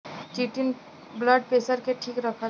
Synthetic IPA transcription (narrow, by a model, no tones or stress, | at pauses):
t͡ʃiːʈɪn | bləɖ̚peːsəɾkeʈʰiːkɾəkʰə